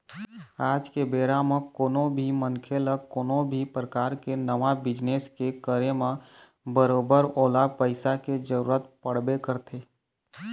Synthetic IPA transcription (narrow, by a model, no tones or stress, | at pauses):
aːd͡ʒkebeːɾamə̃koːnõbʱimənkʰeləkoːnõbʱipɾəkaːɾkenəʋabɪd͡ʒneskekəɾemə̃ | bəɾoːbəɾoːlapəɪsaked͡ʒəɾuːɾət̪̚pəɽ̤bekəɾt̪ʰeː